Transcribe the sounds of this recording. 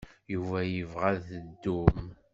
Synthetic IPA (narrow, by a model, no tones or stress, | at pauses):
juvæjəvʁaðθəd̪ːum